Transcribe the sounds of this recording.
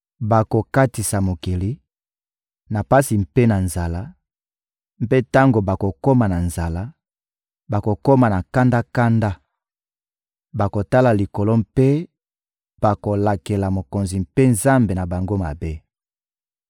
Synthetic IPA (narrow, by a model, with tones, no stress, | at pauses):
ba˨ko˨ka˦ti˨sa˨mo˨ki˨li˦ | na˨pa˦si˨m̩pe˦na˨nza˨la˦ | m˨pe˦ta˦ŋɡo˨ba˨ko˨ko˦ma˨na˨nza˨la˦ | ba˨ko˨ko˦ma˨na˨ka˦nda˦ka˦nda˦ | ba˨ko˨ta˦la˨li˨ko˨lo˦mpe˦ | b̥a˨ko˨la˨ke˨la˨mo˨ko˨nzi˨mpe˦nza˦mbe˨na˨ba˨ŋɡo˦ma̰˨be˦